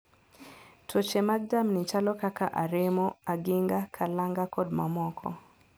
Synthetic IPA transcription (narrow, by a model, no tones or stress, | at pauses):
tʰɔt͡ʃɛmaɡ̚damnit͡ʃalɔkakaʔaɾɛmɔaɡiŋɡakʰalaŋɡakɔd̚mamɔkʰɔ̰